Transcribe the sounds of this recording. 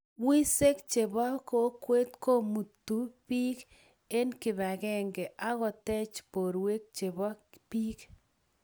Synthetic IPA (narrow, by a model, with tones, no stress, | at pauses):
wi˦se˦kt͡ʃe˨bɔ˦ko˦kwe˦t̪ko˦mu˨t̪u˨pi˦k | e˦nkɪ˨ba˨ɡɛ˦˨ŋɡɛ˨ʔa˦ɣɔ˨tɛ˦t͡ʃpo˨ɾwe˦k̚t͡ʃe˨bɔ˦pi˦k